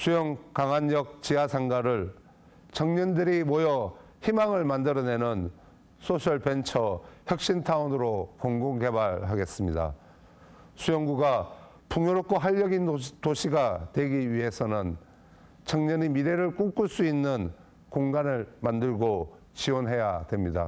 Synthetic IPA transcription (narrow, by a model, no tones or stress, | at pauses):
sʰujʌŋkaŋanjʌk̚t͡ɕiasʰaŋɡaɾɯɭ | t͡ɕʌŋɲʌndɯɾimʌjʌ | çimaŋɯɭmandɯɾʌne̞nɯn | sʰosʰʌɭpe̞nt͡ɕʰʌçjʌk̚ɕ͈intʰaunɯɾokoŋɡoŋɡe̞baɭɦaɡe̞s͈ɯmɲida̰ | sʰujʌŋɡuɡa | puŋjoɾok͈̚ʰoɦaʎːʌɡintoɕʰiɡatwe̞ɡiɥiɦe̞sʰʌnɯn | t͡ɕʌŋɲʌnimiɾe̞ɾɯɭk͈uk͈uɭs͈uinːɯn | koŋɡanɯɭmandɯɭɡo | t͡ɕiwʌnɦe̞jadwe̞mɲida̰